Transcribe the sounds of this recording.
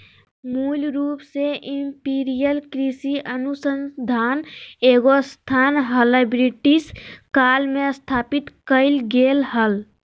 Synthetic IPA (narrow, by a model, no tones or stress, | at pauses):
mulɾuːpseʔimpiɾijəlkɾisiʔənusənd̪ʱaːneɡost̪ʰanɦəlebɾiʈiskalmest̪ʰaːpit̪kəɪlɡelɦəl